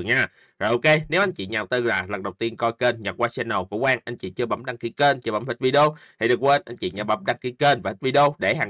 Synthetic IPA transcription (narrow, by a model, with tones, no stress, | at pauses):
ɲaː˧ | ɔ˨˩jʔo˧ke˧ne˨˦wʔa˧jɲt͡ɕḭ˧˨ɲaː˨˩w̚t̪ɨ˧˩laː˨˩lə˨˩ŋɗə˨˩wt̪i˧ənkɔ˧jke˧nɲə˨˩k̚waː˧sɛ˧nːə˨˩wku˧˦əkwaː˧ŋʔa˧jɲ̟t͡ɕḭ˧˨t͡ɕɨ˧əɓa̰˧˩mɗa˧ŋki˧˦ke˧nt͡ɕɨ˧ɓa̰˧˦mhi˦˥t̚vi˧ɗo˧t̪ʰi˨˩ɗɨ˨˩k̚we˧nʔa˧jt͡ɕḭ˧˨ɲa˨˩ɓə̰˧˦˥mɗa˧ŋki˧˦ke˧nvaː˨˩hi˦˥t̚vi˧ɗo˧ɗe˧˩haː˨˩ŋ